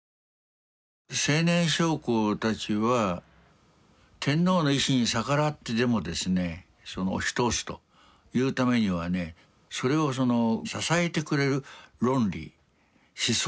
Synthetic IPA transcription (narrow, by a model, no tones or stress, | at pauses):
se̞ːnẽ̞ɰ̃ɕo̞ːkoːt̪at͡ɕiβa | t̪ʰẽ̞nːo̞ːno̞iɕiɲ̟isakaɾat̪ːed̪e̞mo̞d̪e̞sɨne̞ | sono̰ːɕi̥t̪o̞ːsɨ̥t̪o̰ | jɯ̟ːt̪ame̞ɲ̟iβane̞ | so̞ɾe̞o̞s̬o̞no̞sasae̞t̪e̞kɯ̟ɾe̞ɾɯ̟ɾõ̞nɾʲḭ | ɕis